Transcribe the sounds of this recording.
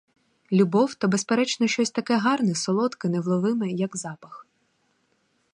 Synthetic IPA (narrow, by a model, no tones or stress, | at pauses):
lʲubɔwt̪ɐbespeɾɛt͡ʃnɔʃt͡ʃɔsʲt̪ɐkɛɦɑrnɛsɔlˠɔt̪kɪnɛwlˠɔʋɪmɛjɐɡzɑpɐx